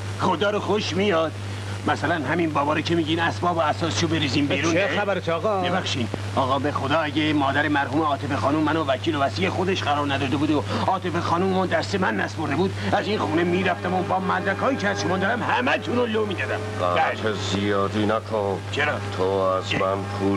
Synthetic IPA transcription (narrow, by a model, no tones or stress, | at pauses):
χod̪ɒːɾoxoʃmijɒːd̪ | mæsælænɦæminbɒːbɒːɾecʰemiːɟinæsbɒːboæsɒːse̥ʃobe̞ɾiːziːmbiɾuːneæbæɾet̪ʰːɣɒbebæxʃid̪ | ɒːɣɒːbe̞xod̪ɒːæɟemɒːd̪æɾemæɾhuːmeɒːt̪ʰe̞fexɒːnumːænovæcʰiːlovæsijexod̪eʃɢæɾɒːɾnæd̪ɒːd̪ebuːd̪oɒːt̪ʰe̞fexɒːnumemɔnd̪æɾst̪emænːæspʰoɾd̪e̞buːd̪æzinxuːnemiːɾæft̪æmobɒːmæd̪ɾækʰɒːicʰeæz̥ʃomɒːnd̪ɒɾæmhæmæt̪ʰunolomiːd̪ɒːd̪æmɡææk̪ʰezijɒːd̪inækʰont͡ʃʰeɾɒːt̪ʰoæzmænpʰu